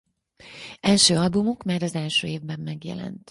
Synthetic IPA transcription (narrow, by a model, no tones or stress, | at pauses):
ɛlʃøːɒlbumukmaːɾɒzɛlʃøːeːvbɛmːɛɡjɛ̰lɛ̰nt̪